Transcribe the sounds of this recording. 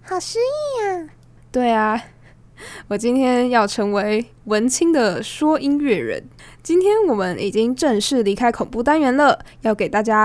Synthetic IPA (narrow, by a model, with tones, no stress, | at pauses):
xɑ˨˩ʊʂɻ̩˥i˥˩a˩ | t̪we˥˩ɪa˩ | wɔ˨˩t͡ɕi˥nt̪ʰjɛ˥njɑ˥˩ʊʈ͡ʂʰɤ˧˥ŋwe˧˥ɪ | wə˧˥nt͡ɕʰi˥ŋd̪ə˨ʂwɔ˥ʔi˥nɥɛ˥˩ɻə̰˧˦n | t͡ɕi˥nt̪ʰjɛ˥nwɔ˨˩mə˦nʔi˨˩t͡ɕi˦˥ŋʈ͡ʂə˥˧ŋʂɻ̩˥˩li˧˥kʰa˥ɪkʰʊ˨˩ŋpu˥˩t̪a˥nɥɛ˧˥nlə˨jɑ˥˩ʊke˨˩ɪt̪a˥˩t͡ɕja˥